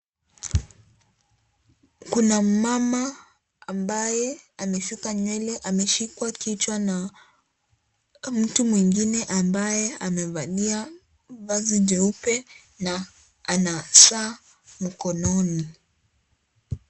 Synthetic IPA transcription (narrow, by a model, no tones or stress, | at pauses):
kunamama | ambajɛamɛfikaɲwɛlɛʔamɛʃikwakit͡ʃwana | m̩tumwiŋɡinɛʔambajɛamɛvaɗia | vaziʄɛupɛ | na | anasaː | m̩kɔnɔni